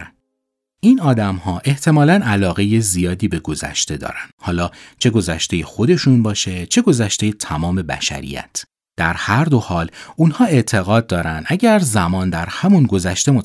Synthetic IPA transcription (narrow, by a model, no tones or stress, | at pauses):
iːnɒːd̪æmhɒːʔe̞ht̪ʰe̞mɒːlænælɒːɣe̞je̞zijɒːd̪iːbe̞ɡo̞zæ̰ʃt̪e̞d̪ɒ̰ːɾænd̪̥hɒːlɒːt͡ʃʰe̞ɡo̞zæʃt̪e̞jexo̞d̪e̞ʃunbɒːʃe̞t͡ʃʰe̞ɡo̞zæʃt̪e̞jet̪ʰæmɒːme̞bæ̰ʃæ̰ɾḭjæ̰t̪ʰ | d̪̥æɾhæɾd̪o̞hɒːlunhɒːe̞ʔt̪ʰe̞ɣɒːd̪̚d̪ːɒːɾænd̪æɟæɾzæmɒːnd̪æɾhæmunɡo̞zæʃt̪e̞mot̪